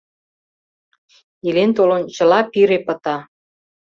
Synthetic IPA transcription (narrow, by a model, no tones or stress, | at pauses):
ilent̪olont͡ɕəlɑpiɾepə̆t̪ɑ